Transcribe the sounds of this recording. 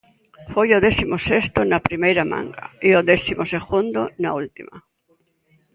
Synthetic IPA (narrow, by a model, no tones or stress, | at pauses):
fojoðeθimosest̪onapɾimejɾamã̰ŋɡa̰ioðeθimoseɣund̪onault̪ima̰